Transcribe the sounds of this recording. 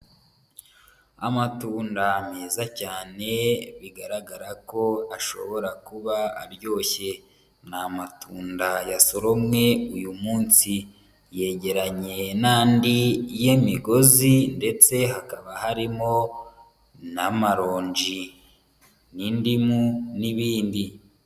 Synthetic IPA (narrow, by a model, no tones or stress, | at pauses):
a̰matuːndameːzacaːne̞βiɡaɾaɡaɾako̞aʃo̞̰βo̞ɾakuβa̰ːɾjo̞ːçe̞ | namatuːndajaso̞ɾo̞mŋe̞ujumuːnsi | je̞ɟe̞ɾaɲe̞naːndijemiɡo̞zinde̞t͡se̞ɦakaβahaɾimo̞ | namaɾo̞ːɲd͡ʒi | nindimuniβiːndi